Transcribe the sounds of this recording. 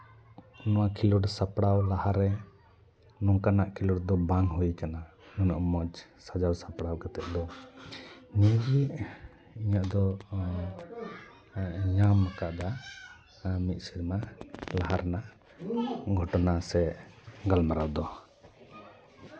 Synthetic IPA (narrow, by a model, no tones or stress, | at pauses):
nɔwakʰilɔɽsapɽawlahaɾɛ | nɔŋkanaʔkʰiluɽd̪ɔbaŋɦujkana | nunɔʔmɔd͡ʒsad͡ʒawsapɽawkat̪ɛʔ̪̚ˀd̪ɔ | ɲid͡ʒiʔ | iɲaʔd̪ɔ | ɲamːakaʔd̪a | mit̪̚ˀsiɾmalaɦaɾnaʔ | ɡʱɔʈɔnasɛɡalmaɾawd̪ɔ